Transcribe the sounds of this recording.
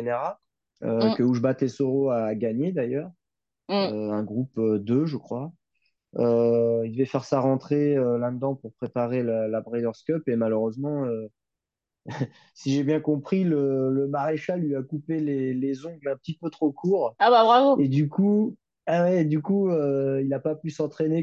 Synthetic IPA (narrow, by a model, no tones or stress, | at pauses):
eneʁa | økəuʒəbat̪ɛsoʁoaɡaɲed̪ajœːʁ | øɛ̃ɡʁupød̪øʒəkχwa | øild̪əvɛfɛʁsaʁɑ̃t̪χeølɛ̃d̪ɑ̃puʁpχepaʁelalabʁɛjd̪œʁskɔpemaløʁøzmɑ̃ø | siʒebjɛ̃kɔ̃pχilələmaʁeʃalːɥiakupelelezɔ̃ɡlɛ̃pət̪ipøt̪χokuːʁababʁavoed̪yku | awɛːd̪ykuøilapapysɑ̃t̪χene